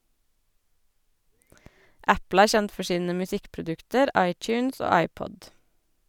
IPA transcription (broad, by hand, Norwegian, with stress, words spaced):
ˈʔæpl̩ ˈæːɹ ˈçɛnt ˈfɔ ˈʃiːnə mʉˈsɪkpɹʊˌdʉktəɾ ˈʔɑɪt͡ʃʉːns ˈoː ˈɑɪpɔd